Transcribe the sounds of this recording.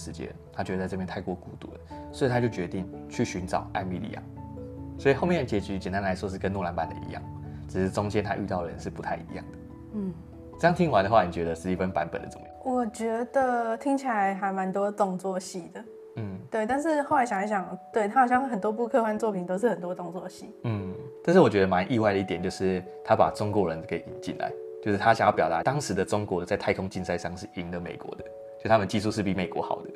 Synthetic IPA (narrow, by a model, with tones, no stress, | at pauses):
ɻ̩˧˦t͡ɕjɛ̰˥t̪ʰa˥t͡ɕɥɛ˧d̪ə˨t͡sa˥˧ɤ˥˧pjɛ˥˨ntʰa˥˧ɪkwɔ˥˩ku˥˧t̪ṵ˥˩d̪ə̰˨˩swɔ˧˥˨a˥t͡ɕjo˥˩ʊt͡ɕɥɛ˧˦t̪i˥˧ŋt͡ɕʰy˥˩ɕy˧˦nʈ͡ʂɑ̰˨˩ʊʔa̰˥˧ɪmḭ˥˩lḭ˧jɑ̰˥˩ŋswɔ˧˥i˨˩xo˥˧ʊjɛ˥n˩t͡ɕjɛ˧˥t͡ɕy˧˥t͡ɕɛ˨˩nt̪a˦˥nla˧˦ɪʂwɔ˥ʂɻ̩˥˩kə˦nɔ˥˨la˧˦npa˨˥nd̪ə̰˨˩ʔḭ˧˥jɑ̰˥˩ŋʈ͡ʂɻ̩˨˩ʂ̩˥ʈ͡ʂo˥ŋt͡ɕjɛ˦nt̪ʰa̰˦ʔy̰˥˧t̪ɑ˥˩ʊd̪ə˩ɻə̰˧˦nʂɻ̩˥˩pu˧˦tʰa˥˩ɪḭ˧˥jɑ̰˥˩ŋd̪ə˩ | n̩˥˩ | t͡sjɑ˥˨ŋt̪ʰi˦˥ŋwa˧˦nd̪ə˧xwa˥˩ni˨˩t͡ɕɥɛ˧˥d̪ə˧ʂɻ̩˥˩i˥˩fə˦npa̰˧˦npə̰˨˩nd̪ə˩t͡sə˧˩mə˧˦jwɔ˨˩t͡ɕɥɛ˧˥d̪ə˨t̪ʰi˥ŋt͡ɕʰi˨la˧˦ɪxa˧ɪma˧˦nt̪wɔ˥t͡sɔ˨˩ŋt͡swɔ˥˧ɕi˨˩d̪ə˩ | n̩˥˩t̪we˥˩ɪt̪a˥˧nʂ̬ɻ̩˥˧xo˥˩ʊla˧˥ɪɕɑ˨ŋna˧˩ɕjɑ˨˩ŋt̪we˥˩ɪt̪ʰa˥xɕjɑ˥˧ŋ˥˩xə˨˩nt̪wɔ˦˥p̬u˥˧kʰɤ˥˧xwa˥˧nt͡swɔ˥˩pʰi˨˩nt̪o˥ʊʂɻ̩˥˩xə˨˩nt̪wɔ˥t̪ʊ˥˩ŋt͡swɔ˥˨˩ɕi˥˩n̩˥˩t̪a˥˧nʂɻ̩˥˩wɔ˨˩t͡ɕɥɛ˧˦d̪ə˧ma˧˦nʔi˥˧wa˥ɪd̪ə˩˦i˥˩t̪jnt͡ɕjo˥˧ʊʂɻ̩˥˩ | t̪ʰa˥pa̰˨˩ʈ͡ʂʊ˥ŋkwɔ˧˥ɻə˨˦nke˧˥ɪḭ˨˩nt͡ɕḭ˥˨nla̰˨˦ɪt͡ɕjo˥˧ʊʂ̩˥˩t̪ʰa˦ɕa̰˨˩ŋjɑ˥˩pjɑ˨ʊt̪a˨˦˥t̪ɑ˥ŋʂɻ̩˧˦d̪ə˨ʈ͡ʂʊ˥ŋkwɔ˨˦də˧˩t͡sa˥˧ɪt̪ʰa˥˩ɪkʰʊ˥ŋt͡ɕi˥˧nsa˥˧ɪʂɑ˥˧ŋʂɻ̩˥˩i˨˦ŋd̪ə˨mḛ˨˩ɪkwɔ̰˧˦d̪ə˦ | t͡ɕjsʰa˥mə˨nt͡ɕi˥˧s̬u˥˧ʂɻ̩˥˩pi˨˩me˨˩ɪkwɔ̰˧˦xɑ̰˨˩ʊd̪ə̰˦